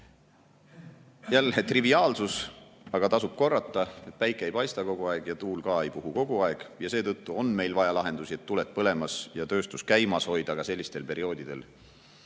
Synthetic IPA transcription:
jælːet̪riviɑːlsusɑɡ̥ɑt̪ɑsub̥̚ko̞rːɑt̪ːˑɑe̞t̪̚pæjkːˑejpɑjst̪ɑko̞ɡ̥uɑeɡ̥jɑt̪uːlkɑe̞jpuɦuko̞ɡ̥uɑeɡ̥jɑseːt̪ɤt̪ːuo̞nme̞jlvɑjɑlɑɦe̞nd̪̥usie̞t̪ːulet̪̚pɤle̞mɑsjɑt̪ø̞ːst̪uskæjmɑsho̞jd̪̥ɑkɑse̞lːist̪e̞lpe̞ɾio̞ːd̪̥id̪e̞̰l

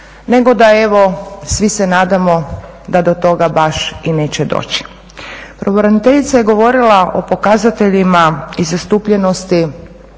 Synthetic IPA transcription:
ne̞ɡo̞d̪ae̞ʋo̞sʋisenaːd̪amo̞ | d̪ad̪o̞t̪o̞ɡabaʃine̞ːt͡ɕed̪o̰ːt͡ɕi̥ | pɾoʋoɾanit̪e̞ʎit̪saje̞ɡo̞ʋo̞ɾilˠaʔo̞po̞kazat̪e̞ʎimaizast̪uːpʎe̞nost̪i

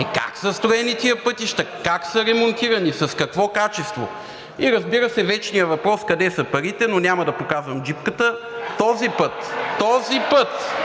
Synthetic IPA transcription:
ɛka̰ksɐst̪ɾoɛnit̪iəpɤt̪iʃt̪ɐkaksɐɾɛmont̪iɾɐnisɐskɐkvɔkat͡ʃɛst̪vo̰ | iɾɐzbiɾəsɛvɛt͡ʃnijəvɐpɾɔskɐd̪ɛsɐpɐɾit̪ɛnonʲamɐd̪ɐpokazvəmd͡ʒip̚kət̪ə | t̪ɔzipɤt̪ːɔzipɤt̪

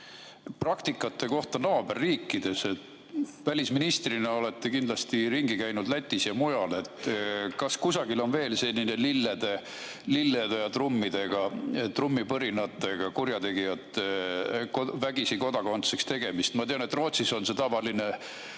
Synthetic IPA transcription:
prɑkt̪ikːˑɑt̪ːˑe̞ko̞ht̪ɑnoɑbærːiːkːˑid̪̥e̞se̞t̪ | vælʲisminist̪rinɑo̞le̞t̪ːekind̪lɑst̪iɾiŋɡikæjnud̪̥læt̪ʲːˑisjɑmujɑle̞t̪ːkɑskusɑɡ̥ilo̞nve̞ːlse̞lʲːine̞lilːed̪̥e̞ | lilːed̪ejɑt̪rumːid̪̥e̞ɡ̥ɑt̪rumːipɤɾinɑt̪ːˑe̞ɡ̥ɑkuɾjɑt̪e̞ɡ̥ijɑt̪ːˑekovæɡisiko̞d̪̥ɑko̞nt̪sekst̪e̞ɡ̥e̞mist̪mɑt̪eɑnet̪ːˑro̞ːt̪siso̞nse̞t̪ɑvɑline̞

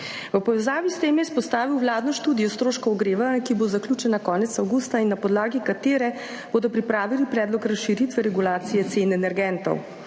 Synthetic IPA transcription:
ʋəpɔʋɛzaːʋist̪eːmjɛspɔst̪aːʋiwʋlaːd̪nɔʃt̪uːd̪ijɔst̪ɾoːʃkɔɔɡɾeːʋankibozaklʲuːt͡ʃɛnakɔːnɛt̪sawɡust̪ainːapɔd̪laːɡikat̪eːɾɛ | b̥oːd̪ɔpɾipɾaːʋilipɾɛːd̪lɔkɾasʃiɾit̪ʋɛɾɛɡulaːt̪sijɛt̪seːnɛnɛɾɡɛnt̪ɔ̰w

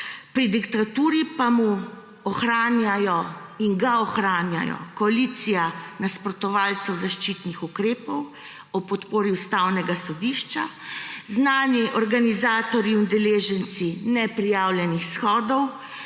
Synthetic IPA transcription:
pɾid̪ikt̪at̪uːɾipamu | ɔxɾaːnjajɔiŋɡaɔxɾaːnja̰jɔ̰kɔalit̪sijanaspɾɔt̪ɔʋaːlt̪sɛwzaʃt͡ʃiːt̪nixukɾeːpɔw | ɔpɔt̪poːɾiust̪awnɛɡasɔd̪iːʃt͡ʃa | znaːniʔɔɾɡanizaːt̪ɔɾjiund̪ɛleːʒɛnt̪sinɛpɾijaːwljɛnixsxɔːd̪ɔw

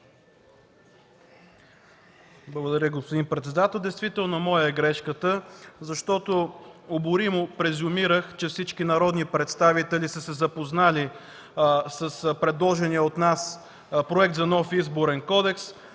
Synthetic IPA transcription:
blˠəɡod̪ɐɾjəɡospod̪inpɾɛt̪sɛd̪at̪ɛlˠd̪ɛjst̪vit̪ɛlˠnomɔjəɛɡɾɛʃkət̪əzɐʃt̪ɔt̪oobʊɾimʊpɾɛzʊmiɾəxt͡ʃɛfsit͡ʃkinɐɾɔd̪nipɾɛt̪st̪avit̪ɛlisəsɛzɐpoznali | səspɾɛd̪lˠɔʒɛniɛot̪nas | pɾoɛkt̪zɐnɔfizboɾɛnkɔd̪ɛks

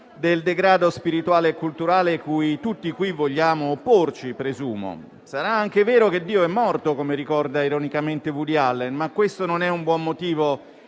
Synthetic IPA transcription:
d̪eld̪eɡɾaːd̪ospiɾit̪waːleːkːult̪uɾaːlekujt̪ut̪ːikwivːoʎːaːmoːpːort͡ʃipɾezuːmo̰ | saɾaaŋkeveːɾok̟ed̪ːiːoɛmːɔrt̪okomeɾikɔrd̪aiɾonikament̪evud̪ialːenmakːwest̪ononɛumbwɔmːot̪iːvo

